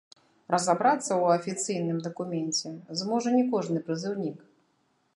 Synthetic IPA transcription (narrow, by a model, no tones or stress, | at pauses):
ɾɐzabɾat̪sːɐwɐfʲit̪sɨjnɨmd̪ɐkumʲɛnʲt͡sʲɛzmɔʐɐnʲɛkɔʐnɨpɾɨzɨwnʲik